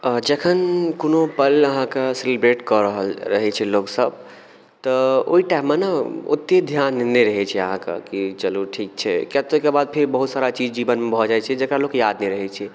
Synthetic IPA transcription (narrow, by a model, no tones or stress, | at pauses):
d͡ʒəkʰənkonopələɦãkeselibɾeʈkɔɾəɦəlɾəɦɛt͡ʃʰɛloksəb̚ | t̪ɔo̰iʈaɪmːənaṵt̪ːed̪ʱjannɛɾəɦɛt͡ʃʰɛəɦãkḛkit͡ʃəluʈʰik̚t͡ʃʰɛkat̪okebad̪̚pʰeɾbəɦut̪saɾat͡ʃid͡ʒibənmebʱɔd͡ʒajt͡ʃʰɛd͡ʒekɾalokjad̪nɛɾəɦɛt͡ʃʰɛ